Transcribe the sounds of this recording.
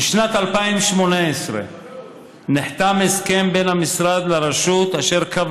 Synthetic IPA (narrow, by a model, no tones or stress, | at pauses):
iʃnat̪alpaimʃmo̞naesʁḛ | niħt̪ameske̞mbe̞nhamisʁad̪leʁeʃut̪aʃe̞ʁkav